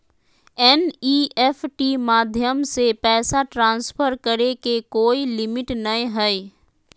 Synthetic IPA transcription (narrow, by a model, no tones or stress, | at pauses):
ɛniːɛfʈimaːd̪ʱjəmsepɛːsaʈɾãːnspʰəɾkəɾekekoːilɪmɪʈnɐĩɦɛi